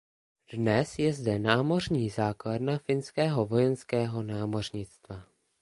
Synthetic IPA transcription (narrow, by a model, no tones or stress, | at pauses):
d̥nɛsjɛzdɛnaːmo̞r̝ɲiːzaːkladnafɪnskɛːɦo̞vo̞jɛnskɛːɦo̞naːmo̞r̝ɲɪt͡st̪va